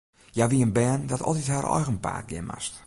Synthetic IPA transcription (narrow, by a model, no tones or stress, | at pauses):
jaʋiənbɛːndɔtʰɔ̰lˠtitharɔ̰jɣənpa̰ːt̚ɡɪ̰ma̰st